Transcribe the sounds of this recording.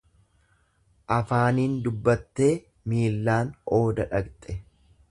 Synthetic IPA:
ʔɐfaːniːnd̪ʊbːɐt̪ːe̞ː | miːlːaːno̞ːd̪ɐᶑɐkt̪ʼɛ

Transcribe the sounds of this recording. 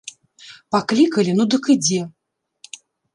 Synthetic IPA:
paklʲikɐlʲinud̪ɨkɨd͡zʲɛ

